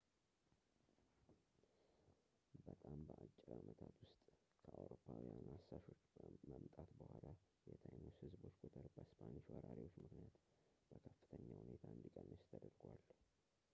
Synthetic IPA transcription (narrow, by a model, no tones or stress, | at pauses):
bət̪ʼambəʔat͡ʃʼːɪɾamʔət̪ʰat̪wʊst̪ʼ | kʰəʔawɾopʰːawijanasːaʃo̞t͡ʃːməmt̪ʼat̪bəhʷala | jɛt̪ʰəjmːuhɨzbo̞t͡ʃːkʰʼut̪ʰəɾbəspʰaniʃwɔɾaɾiwo̞t͡ʃːmɨknijat̪ | b̥əkʰəfːɨt̪ʰəɲːahunet̪ʰaɨnd̪ikʼənːət͡ʃt̪ʰəd̪əɾɡwal